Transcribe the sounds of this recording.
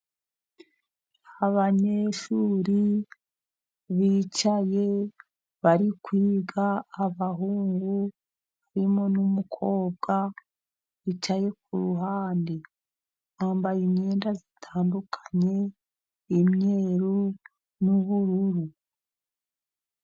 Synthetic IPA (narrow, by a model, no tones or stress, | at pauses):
haβaɲe̞ʃuːɾi | βiːt͡ʃaje̞ | βaɾikwiːɡaːβaɦuːŋɡu | aɾimo̞numukʰo̞ːb̚ɡa | βit͡ʃaje̞k̚uɾuɦaːndi | βaːmbajiɲɲeːndazitʰaːndukʰḁɲe̞ | imɲe̞ɾu | nuβuɾuɾu